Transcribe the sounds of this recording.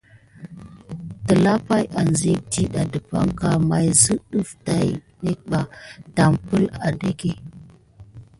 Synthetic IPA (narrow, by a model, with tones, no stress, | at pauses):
tə˨la˦pa˦jʔa˨nzi˦k̚ti˦ɗa˨də˨pa̰˦ŋka˦ma˨jzə˦ɗu˦fta˨j | ne˦k̚ɓa˨ta˨mpə˦la˨de˦ke˦